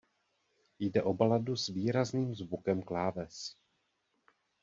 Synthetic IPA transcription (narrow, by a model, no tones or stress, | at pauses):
jdɛʔo̞baladusviːɾazniːmzvukɛmklaːvɛs